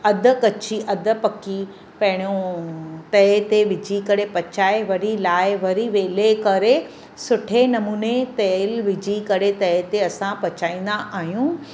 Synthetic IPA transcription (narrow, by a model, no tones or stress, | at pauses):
ɐd̪ʱə̆kɐt͡ɕʰiʔɐd̪ʱə̆pɐki | pɐ̃ɦɪɽ̃jõt̪ɐt̪eʋɪd͡ʑʱikɐɾepɐt͡ɕaːeʋɐɾilaːɪʋɐɾiʋeːlekɐɾe | sʊʈʰenɐmuːnet̪ɐlʋɪd͡ʑʱikɐɾet̪ɐt̪eɐsãpɐt͡ɕaːĩːn̆d̪aʔaːɦjũ